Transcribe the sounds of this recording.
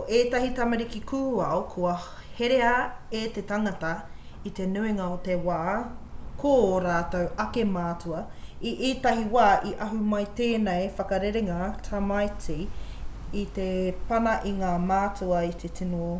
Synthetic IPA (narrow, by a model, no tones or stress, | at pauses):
ʔeːt̪ɐɦit̪ɐmɐɾikikʰuːɐokʰuɐ | heɾeɐet̪etɐŋɐtɐ | it̪enʉeŋɐot̪ewaːkʰoːɾaːtowɐkemaːt͡suɐiʔiːt̪ɐɦiwaːʔiʔɐɦumɐjt̪eːnejfɐkɐɾeɾeŋatʰamɐjt͡siː | t̪epɐnɐʔiŋaːmaːtuɐit̪ʰetino